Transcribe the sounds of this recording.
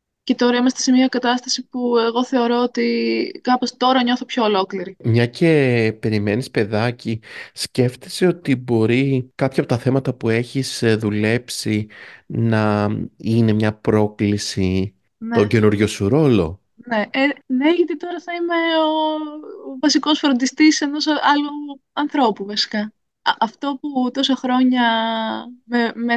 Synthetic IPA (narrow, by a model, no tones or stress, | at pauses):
ce̞t̪o̞ɾɐimɐst̪ese̞miɐkɐt̪ɐst̪ɐsipue̞ɣo̞θe̞o̞ɾo̞ot̪ikɐpo̞st̪o̞ɾɐɲo̞θopço̞olo̞kliɾimɲɐce̞pe̞ɾime̞nispe̞ðɐcisce̞ft̪eseo̞t̪ibo̞ɾikɐpçɐːpo̞t̪ɐθe̞mɐt̪ɐpue̞çiz̥ðule̞psinɐine̞mɲɐpɾo̞klisi | noɲɟe̞nuɾʝosuɾo̞lo̞̰ | ne̞ene̞ʝɐt̪it̪o̞ɾɐθɐimeo | vɐsiko̞sfɾond̪ist̪ise̞no̞sɐluɐnθɾo̞puvɐsi̥kɐ | ɐft̪o̞put̪o̞sɐxɾo̞ɲɐ | meme